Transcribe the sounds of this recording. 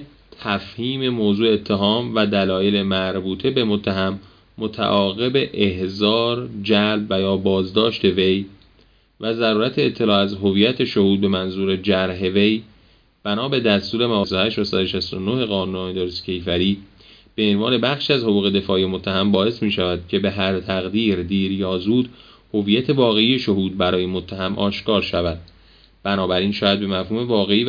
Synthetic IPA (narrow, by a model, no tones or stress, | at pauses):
t̪ʰæfhiːme̞moːzuːeet̪ʰːeɦɒːmvæd̪ælɒːjele̞mæɾbuːt̪ʰe̞be̞mot̪ʰːæɦæmː | o̞t̪ʰæ̰ʔɒːɣe̞be̞ʔehzɒːɾd͡ʒælbvæjɒːbɒːzd̪ɒːʃt̪e̞ve̞j | væzæɾuːɾæt̪ʰeːt̪ʰːe̞lɒːæzɦo̞viːjæt̪ʰe̞ʃo̞huːd̪̚be̞mænzuːɾed͡ʒæɾɦeve̞j | b̥ænɒːbe̞d̪æst̪uːɾe̞mævɒːsd̪ohæʃæsæd̪oʃæslo̞nohe̞ɣɒːnuːnd̪oɾiscʲʰe̞jfæɾiː | b̥e̞ːnvɒːne̞bæχʃiæzho̞ɣuːɣe̞d̪e̞fɒːʔijemot̪ʰːæhæmbɒːe̞smiːʃævæd̪̥cʰe̞be̞ɦæɾt̪ʰæɣd̪iːɾd̪iːɾjɒːzuːd̪ | ho̞viːjæt̪ʰe̞vɒːɣe̞iːje̞ʃo̞huːd̪̚bæɾɒːje̞mot̪ʰːæɦæmʔɒ̰ːʃkɒːɾʃævæd̪̥̚ | b̥ænɒːbæɾiːnʃɒːjæd̪̚be̞mæfhuːme̞vɒːɣeiː